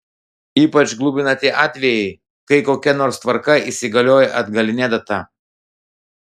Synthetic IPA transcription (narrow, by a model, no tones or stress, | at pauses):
iːpɐt͡ʃɡlˠuːbʲɪnɐt̪ʲɪʔɑːt̪ʲʋʲɛjɛɪ | kɐɪkoːkʲɛnoːɾst̪ʋɐɾkɐisʲɪɡɐlʲoːjɛʔɐd̪ɡɐlʲɪnʲɛd̪ɐt̪ɐ